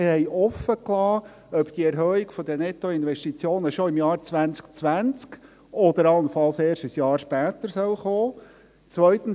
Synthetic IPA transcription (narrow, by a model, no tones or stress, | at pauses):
hɛjʔɔfəklɑː | œpt̪iəɛɾɦœːiɡfɔd̪ənɛt̪oɪnʋɛʃtit͡sjoːnəʃɔɪmjɑːɾt͡svænt͡skt͡sʋænt͡sk | ɔd̪əɾɑlənfɑlseːɾʃtisjɑːɾʃpæːt̪əɾsœlχoː | t͡sʋœʏt̪ən̩